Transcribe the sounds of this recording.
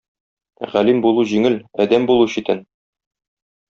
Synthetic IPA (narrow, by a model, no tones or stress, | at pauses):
ʁælimbulˠuʑiŋɘlæd̪æmbulˠuɕit̪ɘn